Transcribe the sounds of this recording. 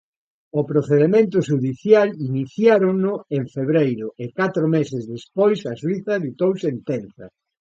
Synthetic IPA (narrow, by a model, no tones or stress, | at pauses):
ʊpɾoθeðemẽnt̪ʊʃuðiθjaliniθjaɾoŋnʊeɱfeβɾejɾʊʔekat̪ɾomesɪzðespojsɐswiθɐðit̪owsent̪ɛnθɐ̰